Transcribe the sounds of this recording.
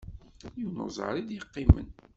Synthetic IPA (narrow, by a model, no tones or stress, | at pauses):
jiwno̰zˤə̰ɾid̪jəqːɪmə̰n